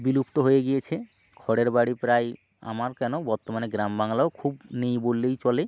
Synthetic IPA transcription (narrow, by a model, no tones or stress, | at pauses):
bilupt̪oɦojeɡijet͡ɕʰe | kʰɔɽeɾbaɽipɾaj | a̰maɾkɛnobɔɾt̪omaneɡɾambaŋlaokʰubnejbolːejt͡ɕɔle